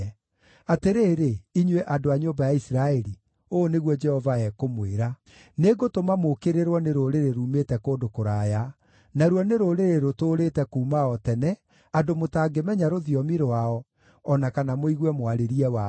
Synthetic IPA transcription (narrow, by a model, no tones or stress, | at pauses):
ateɾeːɾeiɲweʔadoaɲobajaisiɾaɛɾi | oːneɣwɔd͡ʒɛhɔvaɛkomweɾa | neɡotomamokeɾeɾwɔneɾoɾeɾeɾuːmetɛkoːndokoɾaːja | naɾwɔneɾoɾeɾeɾotoːɾetɛkuːmaɔtɛnɛ | adomotaːɡemɛɲaɾoðiɔmiɾoaɔ | ɔnakanamoiɣwɛmwaɾeɾiɛwa